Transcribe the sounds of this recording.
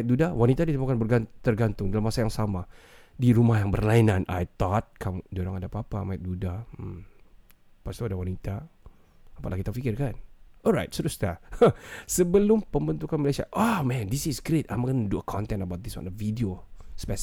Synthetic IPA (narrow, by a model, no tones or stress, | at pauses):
at̪̚dudawanit̪adit̪əmukanbərɡant̪ərɡant̪ʊŋdalamasajaŋsama | diɾumahjaŋbərlainanʔa̰jt̪ɔt̪̚kʰamdoɾaŋadapapamajt̪̚duda | past̪uadahwanit̪a | apaʔlahkit̪afikɪrkanʔɔlɾajt̚səɾusta | səbəlʊmpəmbənt̪ukanmalajsia̰ʔomɛ̃ndisisɡɾet̚ajmɡɔnəduəkʰɔ̃nt̪ɛ̃nəbawt̪̚d̪iswɔ̰ndəvidiospɛs